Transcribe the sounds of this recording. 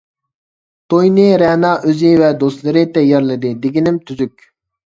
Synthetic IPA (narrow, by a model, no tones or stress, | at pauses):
t̪ʰojnɨɾɛnɑːʔøzɪvɛd̪oslˠɨɾɪd̪ɛjɑɾlˠɨd̪ɨd̪eɡʲinɪmt̪ʰyzykʲ